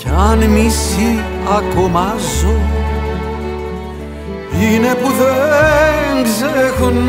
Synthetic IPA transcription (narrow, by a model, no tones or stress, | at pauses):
ceɐnmisiɐkomɐzu | inepuðe | ŋɡzexun